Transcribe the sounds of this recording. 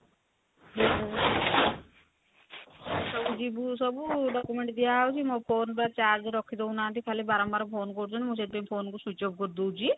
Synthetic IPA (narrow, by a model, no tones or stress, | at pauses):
d͡ʒibu | sɔbud͡ʒibusɔbuɖɔkumeɳʈd̪ijawt͡ʃʰimɔpʰoːnbaɾt͡ʃaɾd͡ʒeɾɔkʰːid̪ɔwnaːnt̪ikʰalibaɾɔmbaɾɔpʰoːnkɔɾt͡ʃʰunmuset̪̚bempʰoːnkusut͡ʃɔb̚kɔɾd̪owt͡ʃʰi